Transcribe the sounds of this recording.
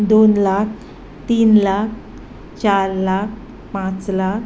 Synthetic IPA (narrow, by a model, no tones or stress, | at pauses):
d̪onlakʰ | t̪iːnlak̚ʰ | t͡ɕaɾlak̚ʰ | pãt͡slak